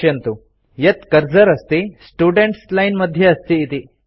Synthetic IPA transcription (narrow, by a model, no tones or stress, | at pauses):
jɐnt̪u | jɐt̪kɐɾd͡ʒɐɾɐst̪isʈuːɖeɳʈslɐjnmɐd̪ʱjɐːst̪iːt̪i